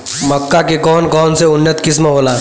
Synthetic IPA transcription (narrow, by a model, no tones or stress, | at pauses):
mɐkːakekɔːnkɔːnseʊnːət̪kɪs̬mɦoːlaː